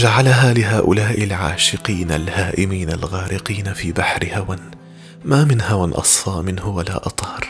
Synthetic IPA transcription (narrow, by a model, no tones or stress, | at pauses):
d͡ʒaʕalaɦaːlɪɦaːʔʊlaːʔɪlʕa̰ːʃɪqiːna̰lhaːʔɪmiːnalɣaːɾʔɪqiːnafiːbaħɾɪhawan | maːmɪnhawanʔɑ̰sˤfɑːmɪnhʊwala̰ːʔɑt̪ˤhɑɾˤ